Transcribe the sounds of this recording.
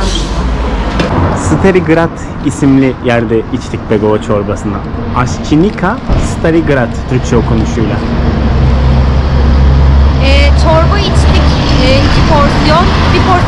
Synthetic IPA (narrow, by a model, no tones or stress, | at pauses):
sɯt̪ʰaɾiɡɯɾat̪ | isimlʲijæɾd̪ɛit͡ʃlʲic̚beɡoat͡ʃʰo̞ɾbasɯna̰ | aʃcʰinikʰasɯ̥t̪ʰaɾiɡɯɾat̪ʰːyɾc̚t͡ʃʰɛokʰo̞nuʃujlʲˠa | ɛt͡ʃʰoɾbait͡ʃlʲicɛicipʰoɾsjɔn | bipʰoɾ